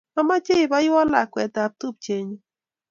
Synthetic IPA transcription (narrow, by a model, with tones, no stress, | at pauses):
a˦ma˦t͡ʃe˦i˨ba˦ji˦wa˦la̰˨kwɛ˨t̪a˨p̚t̪u˦p̚t͡ʃe˨ɲ˦